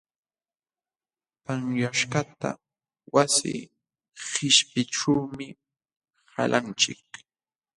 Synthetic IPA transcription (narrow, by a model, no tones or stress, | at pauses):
paŋjaʃkat̪a̰ | wasɪ̰ | hɪʃpɪʈ͡ʂuwmɪ | ha̰lʔant͡ʃɪk